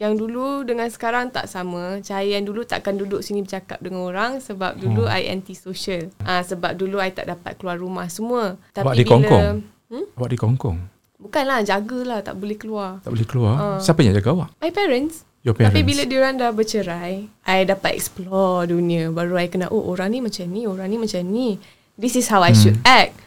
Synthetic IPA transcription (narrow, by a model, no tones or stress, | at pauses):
jaŋduludəŋansə̥kaɾaŋt̪a̰ʔsamə̃t͡ʃajandulut̪a̰ʔkanduduʔsinibəd͡ʒaka̰p̚dəŋanoɾaŋsəbap̚dulua̰ja̰nt̪isoʃəlãsəbap̚duluajt̪a̰ʔdapa̰t̪̚kəluarːumahsəmũət̪awaʔidibiɔŋlkɔ | m̩awaʔdikɔŋkɔ̰ŋ | bukanlahd͡ʒaɡəlaht̪a̰ʔbolɛhkəluara̰ʔbolɛhkəluaãsiapaɲã̰d͡ʒaɡaawaʔmajpɛɾəns | jɔpɛaɾpibiladioɾaŋdahbət͡ʃəɾajʔajdapat̪̚ɛ̰ksplɔdunĩabaɾuajkənaʔo̰ʔoɾaŋnĩmat͡ʃamnioɾaŋnĩmat͡ʃamni | disisɦawajʃudɛt̚